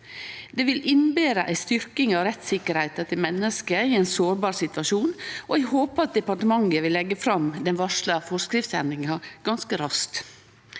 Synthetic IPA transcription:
d̪eːʋɪlʔɪnbeːɾəʔæɪst̪ʏɾkɪŋɑʋɾɛt̪sɪkːəɾhæɪt̪ɑt̪ʰɪlmɛnːəskəɪæɪnsoːɾbɑːɾsɪt̪ʋɑʂuːnɔæɪɦoːpəɑt̪̚d̪ɛpɑʈəmɑŋːəʋɪlːɛɡːəfɾɑmd̪ɛnʋɑʂləfɔskɾɪft̪sɛ̰nɪŋɑɡ̥ɑnskəɾɑst̪

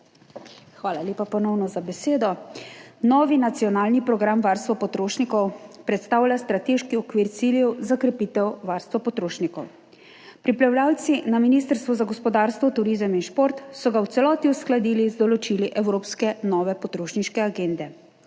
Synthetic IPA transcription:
xʋaːlalʲjeːpapɔnɔwnɔzabɛseːd̪ɔ | nɔːʋinat̪sijɔnaːlnipɾɔɡɾamʋaɾst̪ʋapɔt̪ɾoːʃnikɔwpɾɛt̪st̪aːwlʲjast̪ɾat̪eʃkiɔkʋiːɾt̪siljɛwzakɾɛpit̪ɛwʋaɾst̪ʋɔpɔt̪ɾoːʃnikɔw | pɾipɾawlʲaːwt̪sinaminist̪əɾst̪ʋɔzaɡɔspɔd̪aːɾst̪ʋɔt̪uɾizəminʃpoːɾt̪sɔɡawt̪sɛlɔːt̪iusklad̪iːlizd̪ɔlɔt͡ʃiliʔɛwɾoːpskɛnɔːʋɛpɔt̪ɾoːʃniʃkɛaɡend̪ɛ

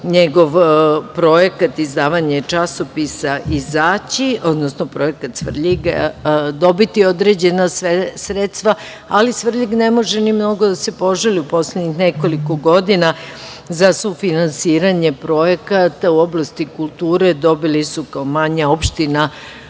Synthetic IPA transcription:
ɲeɡo̞ʋpɾo̞je̞kat̪izd̪aːʋaɲet͡ʃaso̞pisaʔizaːt͡ɕio̞d̪nosno̞pɾo̞je̞kat̪sʋr̩ʎiɡd̪o̞bit̪io̞d̪ɾed͡ʑe̞nasesɾet̪st̪ʋa | alisʋr̩ʎiɡnemo̞ʒenimno̞ɡod̪ase̞po̞ʒaliupo̞slʲed̪ɲixneko̞liko̞ɡo̞d̪ina | zasufinansiːɾaɲe̞pɾo̞jekat̪auo̞blˠast̪ikulˠt̪uːɾe̞d̪o̞bilisukaomaɲao̞pʃt̪ina

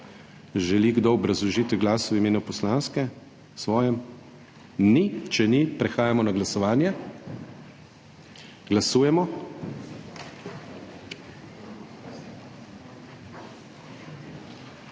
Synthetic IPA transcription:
ʒɛliɡd̪oɔbɾazluʒit̪ɡlaːswimeːnupɔslanskɛ | sʋɔːjɛm | nit͡ʃɛnipɾɛxaːjamɔnaɡlasɔʋaːnjɛ | ɡlasuːjɛmɔ

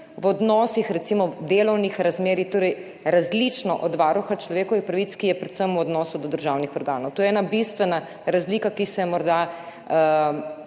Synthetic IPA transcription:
wɔd̪nɔsixɾɛt̪simɔd̪eːlɔwnixɾazmeːɾixt̪oːɾɛj | ɾazlit͡ʃnɔʔɔd̪ʋaːɾuxat͡ʃlɔʋeːkɔʋixpɾaʋit̪kijɛpɾɛt̪səmwɔd̪nɔːsud̪ɔd̪əɾʒawnixɔɾɡaːnɔwt̪oːjɛɛːnabist̪ʋɛna | ɾazlikakisɛjɛmɔɾd̪a

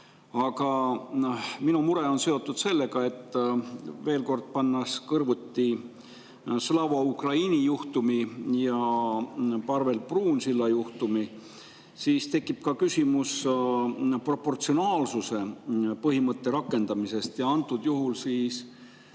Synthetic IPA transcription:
ɑɡɑ | minumuɾe̞o̞nse̞o̞t̪ːˑud̪se̞lːe̞ɡɑe̞t̪ːˑ | ve̞ːlko̞rd̪̥̚pɑnːɑskɤrvut̪ːi | slɑvɑukrɑinʲijuht̪umijɑ | pɑrve̞lpruːnsilːɑjuht̪umi | siːst̪e̞kˑːip̚kɑkysʲimus | pro̞pːo̞rt̪sionɑːlsuse̞pɤɦimɤt̪ːe̞ɾɑkːˑe̞nd̪̥ɑmise̞st̪jɑɑnt̪ˑːud̪̥juɦulsiːs

